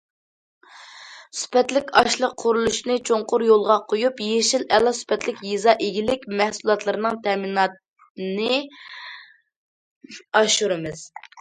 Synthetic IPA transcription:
sy̥pɛt̪lɪkʲɑʃlˠəqʰːʊɾulˠuʃnɨt͡ʃʰoŋqʊɾjolˠʁɑqʰojupjeʃilɛlˠːɑsy̥pɛt̪lɪkʲjizɑʔeɡʲilɪkʲmɛhsulˠɑt̪lˠɨɾɨnɨŋt̪ʰɛminɑt̪̚ | nɨ | ɑʃuɾɨmɨz̥

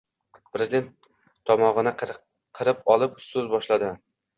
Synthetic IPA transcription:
pʰɾezɪd̪e̞nt̪ʰː | ɒmɒʁɨna | qʰɨɾɪpɒlˠɪpsɵzbɒʃlad̪ɪ

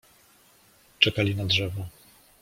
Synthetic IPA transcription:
t͡ʂɛkalʲinadʐɛvɔ

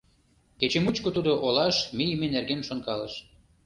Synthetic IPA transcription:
ket͡ɕemut͡ɕkot̪ud̪oʔolɑʃmijmenerɡenʃonkɑlə̰ʃ

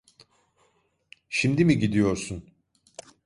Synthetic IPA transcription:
ʃimd̪imiɟid̪ijo̞ɾsun

